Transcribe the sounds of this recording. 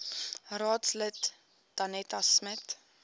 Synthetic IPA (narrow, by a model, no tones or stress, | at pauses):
rɑːtslət | d̥ɐnɛtɐsmət